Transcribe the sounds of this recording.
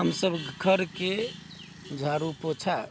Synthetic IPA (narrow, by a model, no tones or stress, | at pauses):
ɦəmsəbɡʱəɾke | d͡ʒʱaɾupot͡ʃʰa